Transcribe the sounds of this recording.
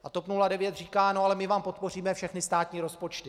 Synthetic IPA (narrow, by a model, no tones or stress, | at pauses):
ʔat̪opnuladɛvjɛt̪r̝iːkaːnoalɛmɪvaːmpo̞t̪̚po̞r̝iːmɛfʃɛxnɪst̪aːt̪ɲiːɾo̞spo̞t͡ʃt̪ɪ